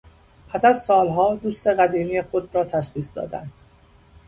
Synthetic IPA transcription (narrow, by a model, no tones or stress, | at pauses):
pʰæsæzsɒːlɦɒːd̪uːst̪e̞ɣæd̪iːmijexo̞d̪ɾɒːt̪ʰæʃχiːsd̪ɒ̰ːd̪æ̰nd̪̥